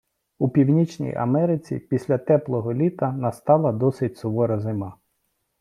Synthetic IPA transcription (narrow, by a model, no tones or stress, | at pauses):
upʲiwnʲit͡ʃnʲḭjɐ̰mɛɾɪt͡sʲḭpʲisʲlʲɐt̪ɛplˠɔɦɔlʲit̪ɐnɐst̪ɑlˠɐd̪ɔsɪt̚ʲsɔʋɔɾɐzɪmɑ